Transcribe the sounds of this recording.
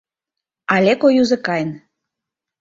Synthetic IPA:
ɑlʲekojuzə̆kɑjən

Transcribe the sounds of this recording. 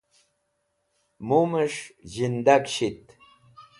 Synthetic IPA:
muməʂʑind̪akɕit̪

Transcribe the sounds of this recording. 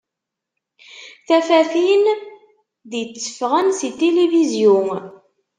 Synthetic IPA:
θæfæθin | ðjət͡sːə̥fʁənsit̪elevizjʊn

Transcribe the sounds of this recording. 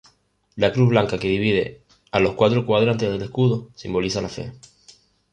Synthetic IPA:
lakɾuɦβlaŋkake̞ðiβið̞e̞̰ | alo̞hkwat̪ɾokwaðɾant̪eðelehkuðosimbo̞lisalafe̞̰

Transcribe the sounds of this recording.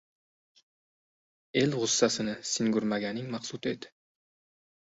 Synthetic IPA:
e̞lʁʊsːasɪnɪsɪŋɡʊɾmaɡʲanɪŋmɑχsut̪ʰed̪ɪ̥

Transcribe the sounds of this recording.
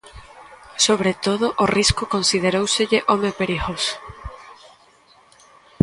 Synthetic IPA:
soβɾet̪oðʊʔoriskʊkonsið̞eɾowseʎeʔomepeɾixos

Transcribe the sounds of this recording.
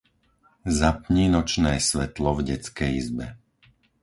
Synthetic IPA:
zapɲiːnɔt͡ʃnɛːsʋɛt̪lɔvɟɛt͡skɛjizbɛ

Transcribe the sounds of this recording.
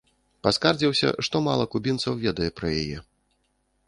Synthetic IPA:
paskard͡zʲiwsʲɐ̰ʂt̪ɔmalˠɐkubʲint̪sɐwvʲɛd̪ɐjɛpɾɐjajɛ̰

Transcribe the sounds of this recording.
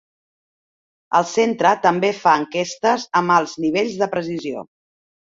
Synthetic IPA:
ə̰lˠsent̪ɾət̪əmbefaəŋkest̪əzəmalˠzniβeʎzðəpɾəs̬izio̰

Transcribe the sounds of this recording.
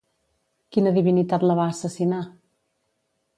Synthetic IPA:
kinəðiβinit̪at̪ləβaːsəsina

